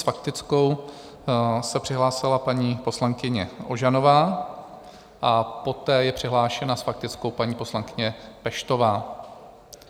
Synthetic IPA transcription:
sfak̚t̪ɪt͡sko̞w | sɛpr̥ɪɦlaːsɪlapaɲiːpo̞slaŋkɪɲɛʔoʒano̞vaː | ʔapo̞t̪ɛːjɛpr̝̥ɪɦlaːʃɛnasfak̚t̪ɪt͡sko̞wpaɲiːpo̞slaŋkɪɲɛpɛʃt̪o̞vaː

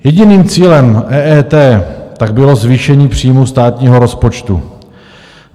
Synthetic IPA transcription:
jɛɟɪniːmt͡siːlɛmʔɛːʔɛːt̪ɛːt̪aɡ̚bɪlo̞zviːʃɛɲiːpr̝̥iːmust̪aːt̪ɲiːɦo̞ɾo̞spo̞t͡ʃt̪ṵ

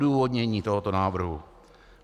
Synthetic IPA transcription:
duːvodɲɛɲiːt̪oɦɔt̪onaːvr̩ɦu

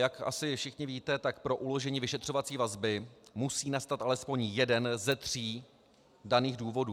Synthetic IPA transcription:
jakʔa̰sɪfʃɪxɲɪviːt̪ɛt̪akpɾo̞ʔulo̞ʒɛɲiːvɪʃɛt̪r̝̥o̞vat͡siːvazbɪmusiːnast̪at̪ʔalɛspo̞ɲjɛdɛnzɛt̪r̥iː | daniːɣduːvo̞duː

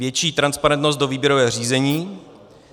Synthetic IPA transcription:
jɛt͡ʃiːt̪ɾanspaɾɛnt̪no̞st̪̚do̞viːbjɛɾovɛːr̝iːzɛɲiː

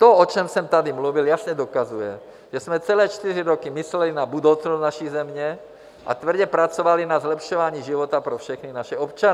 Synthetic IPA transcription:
t̪oɔt͡ʃɛmsɛmt̪ad̪imluviljasɲɛd̪okazujɛ | ʒ̥ɛsmɛt͡sɛlɛːt͡ʃt̪iriɾokimislɛlinabud̪owt͡snoznaʃizɛmɲɛ | ʔa̰t̪vr̩ɟɛpɾat͡soʋalinazlɛpʃoʋaːɲiːʒivot̪apɾofʃɛxninaʃɛopt͡ʃan

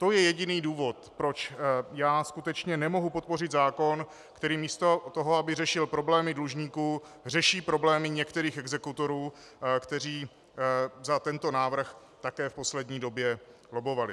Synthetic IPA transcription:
t̪o̞jɛjɛɟɪniːduːvo̞t̪pɾot͡ʃjaːskut̪ɛt͡ʃɲɛnɛmo̞ɦupo̞t̪̚po̞rɪd̪zaːko̞n | kt̪ɛɾiːmiːst̪o̞t̪oɦo̞abɪrɛʃɪlpɾo̞blɛːmɪdluʒɲiːkuː | r̝ɛʃiːpɾo̞blɛːmɪɲɛkt̪ɛɾiːxɛɡzɛkut̪o̞ɾuː | kt̪ɛɾ̝iː | zat̪ɛnt̪o̞naːvr̩x | t̪akɛːfpo̞slɛd̪ɲiːdo̞bjɛ | lobo̞valɪ

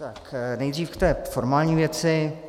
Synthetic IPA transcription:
t̪aknɛjd̪riːfkt̪ɛːfoɾmaːlɲiːvjɛt͡sɪ

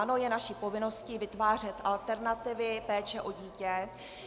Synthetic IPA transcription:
ano̞jɛnaʃipo̞vɪno̞sciːvɪt̪vaːr̝ɛt̪ʔalt̪ɛɾnat̪ɪvɪpɛːt͡ʃɛʔo̞ɟiːcɛ

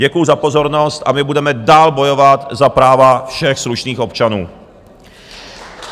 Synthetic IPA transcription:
ɟɛkujuzapo̞zo̞ɾno̞st̪ʔamɪbudɛmɛdaːlbo̞jo̞vat̪zapɾaːvafʃɛxsluʃniːxo̞pt͡ʃanuː

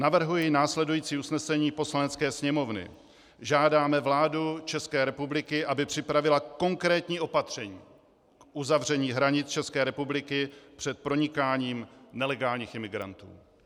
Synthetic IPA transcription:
navr̩ɦujɪnaːslɛdujiːt͡siːusnɛsɛɲiːpo̞slanɛt͡skɛːsɲɛmo̞vnɪ̰ | ʒaːdaːmɛvlaːdut͡ʃɛskɛːɾɛpublɪkɪʔabɪpr̝̥ɪpɾavɪlako̞ŋkɾɛːt̪ɲiːʔo̞pat̪r̝̥ɛɲiː | kʔuzavr̝ɛɲiːɦɾaɲɪt͡st͡ʃɛskɛːɾɛpublɪkɪpr̝̥ɛt̪̚pɾo̞ɲɪkaːɲiːmnɛlɛɡaːlɲiːxɪmɪɡɾa̰nt̪ṵː

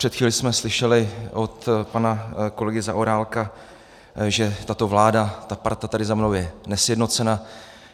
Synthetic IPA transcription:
r̥ɛt̪xviːlɪsmɛslɪʃɛlɪot̪panako̞lɛɡɪza̰ʔoɾaːlka | ʒɛt̪at̪o̞vlaːdat̪apaɾt̪at̪adɪzamnowjɛnɛsjɛdno̞t͡sɛna

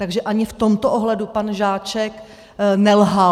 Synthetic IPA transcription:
t̪aɡʒɛʔaɲɪft̪o̞mt̪oʔoɦlɛdupanʒaːt͡ʃɛk | nɛlɦa

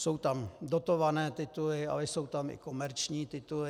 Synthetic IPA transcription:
so̞wt̪amdot̪ovanɛːt̪ɪt̪ulɪa̰lɛso̞wt̪amɪ̰ko̞mɛɾt͡ʃɲiːt̪ɪt̪ulɪ

